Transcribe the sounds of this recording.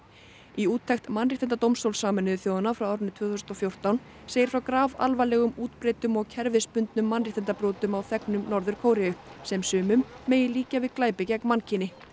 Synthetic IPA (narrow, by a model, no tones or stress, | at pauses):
iuːt̪ʰːɛxt̪manrit̪ɛnt̪at̪owmst̪owlsaːmɛnʏðʏθjoːwðanafɾawaːwɾʏnːɪt̪ʰvʏːθʏsnɔfjowr̥t̪awn | seːjɪɾ̥fɾawkɾaːva̰lvalɛːɣʏmuːt̪pɾeːjt̪ʏmɔɣcʰɛɾvɪspʏnt̪nʏmːanriht̪ʰɛnt̪apɾɔːt̪ʏmawθɛknʏmnɔɾðʏɾ̥kʰoːwɾɛjʏsɛmsʏːmʏmːeːjɪliːcavɪðklaːjpɪcɛk̚nmancʰɪnɪ